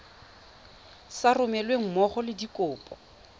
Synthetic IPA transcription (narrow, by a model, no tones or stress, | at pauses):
sarʊmɛlweŋ̩mɔχɔlɪdikʼʊːpʼɔ